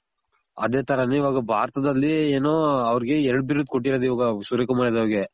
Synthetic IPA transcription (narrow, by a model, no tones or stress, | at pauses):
ɐ̰d̪e̞ːt̪ʰɐɾɐneiʋaːɡɐbʱaːɾɐt̪ɐd̪ɐlːieːnoːɐʋɐɾiɡe̞ɛɾɐɽbiɾud̪̚koʈ̬ːiɾɐːd̪iʋaːɡɐsuɾekɐmaːɽed̪ɐʋɐɾɡe